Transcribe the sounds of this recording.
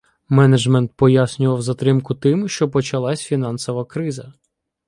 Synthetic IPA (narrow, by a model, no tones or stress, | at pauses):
mɛnɐd͡ʒmɛnt̪̚pɔjasʲnʲʊʋɐwzɐt̪ɾɪmkʊt̪ɪmʃt͡ʃɔpɔt͡ʃɐlˠɑsʲfʲin̪ɑnsɔʋɐkɾɪzɐ